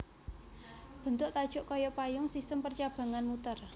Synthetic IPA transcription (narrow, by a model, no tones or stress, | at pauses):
b̥ə̤nt̪ʊʔt̪ad̥ʒ̥ʊ̤ʔkɔjɔpajʊŋsist̪əmpərt͡ʃab̥ä̤ŋanmut̪ər